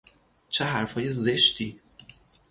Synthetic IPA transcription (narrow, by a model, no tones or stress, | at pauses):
t͡ʃʰeɦæɾfhɒːjezeʃt̪ʰiː